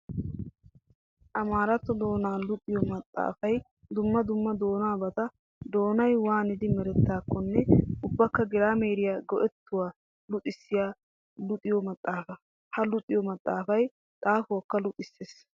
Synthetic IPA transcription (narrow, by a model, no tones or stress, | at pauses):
ʔɐmaːɾɐt̪ːɔd̪o̞ːnaːlʊt̪ʼɪjɔmɐt̪ʼːa̰ːfɐj | d̪ʊmːɐd̪ʊmːɐd̪o̞ːnaːbɐt̪ɐ | d̪o̞ːnɐjwaːnɪd̪ɪmɛɾɛt̪ːaːkːɔnːɛʊbːɐkːɐɡɪɾaːmeːɾɪjaːɡɔʔɛt̪ːʊwaː | lʊt̪ʼɪsːɪjaː | lʊt̪ʼɪjɔmɐt̪ʼːaːfɐ | hɐlʊt̪ʼːɪjɔmɐt̪ʼːaːfɐj | t̪ʼaːfʊwɐkːɐlʊt̪ʼɪsːeːs